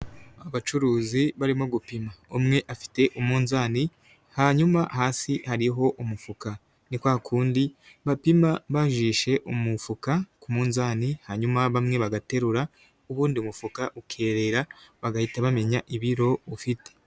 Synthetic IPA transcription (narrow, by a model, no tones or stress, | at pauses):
aβat͡ʃuɾuːziβaɾimoɡupimaumŋe̞ʔafi̥te̞ʔumuːnzaːni | haɲumahaːsihaɾiɦo̞ʔumufuka | nikwakʰuːndi | βapimaβaʒiʃe̞ʔumufukakumuːnzaːnihaɲumaβamŋe̞βaɡate̞ɾuɾa | uβuːndiumufukaʔukʰe̞ːɾe̞ɾaβaɡahitaβame̞ɲaʔiβiɾo̞ufite̥